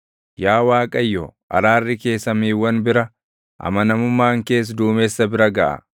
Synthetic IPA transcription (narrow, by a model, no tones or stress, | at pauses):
jaːwaːkʼɐjːɔʔɐ̰ɾaːrːɪke̞ːsːɐmiːwːɐnbɪɾɐ | ʔɐ̰mɐnɐmʊmːaːŋke̞ːs̬d̪uːmeːsːɐbɪɾɐɡɐʔɐ̰